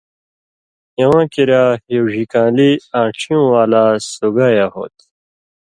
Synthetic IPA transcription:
jewãːkiɾaːjiwʑikãːliãːʈ͡ʂʰiũwaːlasuɡaːjaho̰ːt̪

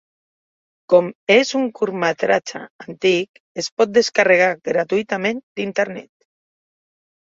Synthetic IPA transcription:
kɔmezuŋkuɾmat̪ɾat͡ʃa̰ant̪ik | espɔt̪̚d̪eskareɣ̞aɣɾat̪uit̪amẽnd̪int̪eɾnɛ̰t̪

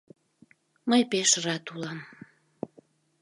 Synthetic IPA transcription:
məjpeʃrɑt̪ulɑm

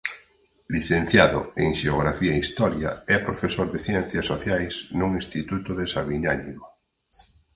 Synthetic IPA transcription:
liθẽn̟θjaðʊeŋʃeoɣ̞ɾafiaeist̪ɔɾjaɛpɾofesoɾðeθjɛnθjasoθjajznuŋĩst̪it̪ut̪ʊðesaβinanimo

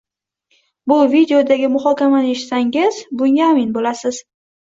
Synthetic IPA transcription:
bʊvid̪eod̪aɡʲɪmʊhɒkʲamanɪe̞ʃɪ̥t̪saŋɪzbʊŋʲaʊmɪnbolasɪz̥

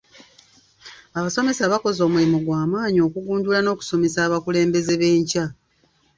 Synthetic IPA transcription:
aβaso̞me̞saβako̞zo̞ːmulimuɡwaːmaːɲio̞ːkuɡuːndulano̞ːku̥so̞me̞saːβakule̞ːmbe̞ze̞βe̞ːɲca

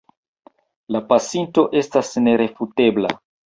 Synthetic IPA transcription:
lapasinto̞ʔe̞stasne̞ɾe̞fute̞bla̰

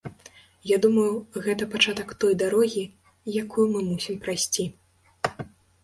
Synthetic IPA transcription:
jad̪umɐjuɣɛt̪ɐpat͡ʂat̪ɐkt̪ɔjd̪aɾɔɣʲi | jakujumɨmusʲimpɾajsʲt͡sʲi

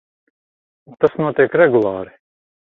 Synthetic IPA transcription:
t̪asnuɔt̪iɛkɾɛɡulˠɑːɾi

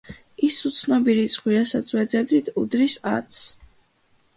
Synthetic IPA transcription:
isut̪sʰnɔbiɾit̪sʼχwiɾasat̪sʰwɛd̪zɛbd̪it̪ʰud̪ɾisa̰t̪sʰ

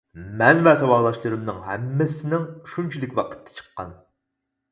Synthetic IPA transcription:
mɛnvɛsɑwɑʁlˠɑʃlˠɨɾɨmnɨŋɦɛ̰mːɪsɪnɪŋʃunt͡ʃʰilɪkʲwɑqʰə̥t̪ʰːɛ̥t͡ʃʰə̥qːɑ̰n

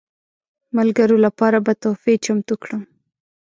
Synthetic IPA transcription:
malɡaɾolapɑɾabat̪ofet͡ʃamt̪ukɽəm

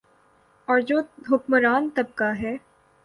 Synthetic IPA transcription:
ɔːɾd͡ʒoːɦʊkməɾaːnt̪ɐb̚kaɦɛː

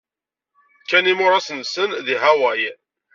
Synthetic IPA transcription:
kænimʊɾasənsənðiɦæwæj

